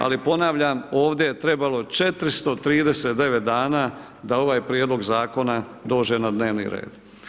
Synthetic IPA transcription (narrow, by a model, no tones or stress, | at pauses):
a̰lipo̞naʋʎamo̞ːʋd̪ʲje̞jet̪ɾe̞balo̞t͡ʃe̞t̪ɾist̪o̞t̪ɾiːd̪eseːt̪d̪e̞ʋet̪̚d̪aːnaː | d̪ao̞ʋaːjpɾjed̪lˠo̞ɡzaːko̞nad̪o̞ːd͡ʒe̞nad̪ne̞ːʋnḭɾḛːd̪